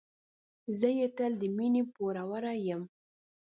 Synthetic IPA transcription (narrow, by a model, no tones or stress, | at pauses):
zəjet̪əld̪əminepoɾawaɾajəm